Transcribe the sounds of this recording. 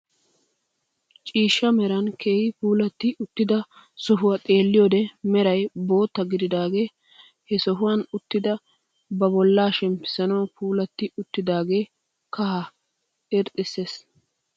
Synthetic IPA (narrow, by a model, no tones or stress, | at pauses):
t͡ʃʼiːʃːɐmɛɾɐnkʰe̞ːhɪpuːlɐt̪ːɪʔʊt̪ːɪd̪ɐ | sɔɦʊwɐt̪ʼe̞ːlːɪjod̪ɛmɛɾɐjbo̞ːt̪ːɐɡɪd̪ɪd̪aːɡe̞ː | hɛsɔɦʊwɐnʊt̪ːɪd̪ɐ | bɐbɔlːaːʃɛmpɪ̥sɐnɐwpʰuːlɐt̪ːɪʊt̪ːɪd̪aːɡe̞ː | kɐhɐ | ɪɾt̪ʼːɪsːeːs